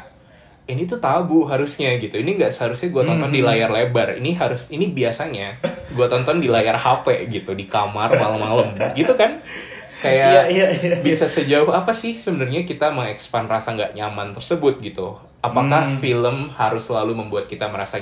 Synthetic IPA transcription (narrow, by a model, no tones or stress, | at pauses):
init̪ut̪abuɦaɾʊsɲaɡit̪uiniŋɡaʔsəhaɾʊsɲaɡuat̪ɔnt̪ɔndilajarlebarḭniɦaɾʊsinibiasaɲaɡuat̪ɔnt̪ɔndilajarhapɛɡit̪udikamarmaləmːaləmɡit̪ukan | kajaabisasəd͡ʒaʊhapasɪhsəbənərɲakit̪aməŋɛkspanrasaŋɡaʔɲamant̪ərsəbʊt̪̚ɡit̪u | apakahfiləmhaɾʊsəlaluməmbuat̪̚kit̪aməɾasa